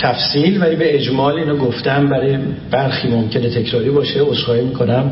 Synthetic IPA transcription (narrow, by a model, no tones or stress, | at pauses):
t̪ʰæfsiːlvæliːbe̞ed͡ʒmɒːliːnɒːɡoft̪æmbæɾɒje | b̥æɾxiːmomcʰe̞ne̞t̪ʰe̞cʰɾɒːɾiːbɒːʃeosɡɒːjimiːkʰo̞næm